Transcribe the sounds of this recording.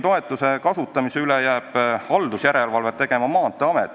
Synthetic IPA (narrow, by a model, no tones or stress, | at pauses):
t̪o̞e̞t̪ˑːuse̞kɑsut̪ːˑɑmiseylejæːb̥ɑld̪̥usjæɾe̞lvɑlvet̪ːe̞ɡ̥e̞mɑmɑːnt̪ːˑeɑmɛt̪ːˑ